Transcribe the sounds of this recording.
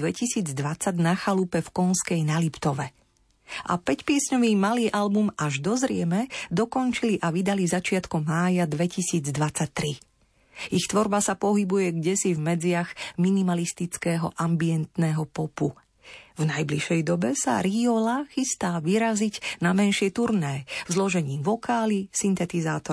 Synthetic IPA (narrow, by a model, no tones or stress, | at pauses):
ʋɛcisiːd͡zd̪ʋat͡saɟnaxalupɛfkɔnskɛjnalipt̪ɔʋɛ | ʔa̰pɛcpɪɛsɲɔʋiːmaliːʔalbumaʒd̪ɔzɾɪɛmɛd̪ɔkɔnt͡ʃiliʔaʋid̪alizat͡ʃɪat̪kɔmːaːjad̪ʋɛcisiːd͡zd̪ʋat͡sac̚t̪ɾi | ixt̪ʋɔɾbasapɔɦibujɛɡɟɛsivmɛd͡zɪaɣminimalist̪it͡skɛːɦɔ̰ʔambiɛnt̪nɛɦɔpɔpu | vnajbliʃɛjd̪ɔbɛsa̰ɾiɔlaxist̪aːʋiɾaziɟnamɛnʃɪɛt̪uɾnɛːvzlɔʒɛɲiːʋɔkaːlisint̪ɛt̪izaːt̪ɔ